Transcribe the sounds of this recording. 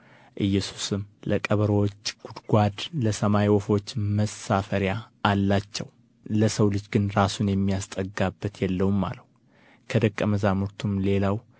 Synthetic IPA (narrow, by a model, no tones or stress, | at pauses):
ʔɨjːɛsu̥sɨmləkʼəβəɾwɔt͡ʃːʼɡ̥ud̪ɡʷad̪ləsəmajwɔfo̞t͡ʃːməsafəɾjaːlːat͡ʃːɛw | ləsəwlɨd͡ʒɡɨnɾasunjɛmːijast̪ʼəɡabːət̪jɛlːəwmːa̰ləh | kʰəd̪əkʼːəməzamuɾt̪ʰumle̞law